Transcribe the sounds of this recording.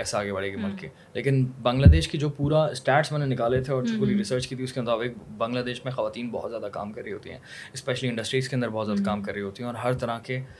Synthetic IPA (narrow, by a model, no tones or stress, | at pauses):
kɛːseaːɡebɐɭeɡemʊlkeː | leːkɪnbɐ̃ŋɡlaːd̪eːʃkid͡ʒoːpuːɾasʈɛːʈsmɛ̃ːnẽnɪkaːlet̪ʰeɔːɾd͡ʒoːpuːɾiɾɪsəɾt͡ʃkiːt̪ʰiʊskemʊt̪aːbɪk̚bɐ̃ŋɡlaːd̪eːʃmẽxɐʋaːt̪iːnbɔ̰ɦɔt̪zjaːd̪aka̰ːmkɐɾːəiɦoːt̪ḭɦɛ̰̃ːɪspɛːʃəliɪ̃ɳɖəsʈɾiːskeɐ̃nd̪əɾbɔɦɔt̪zjaːd̪akaːmkɐɾːəiɦoːt̪iɦɛ̃ɔːɾɦɐɾt̪ɐɾãke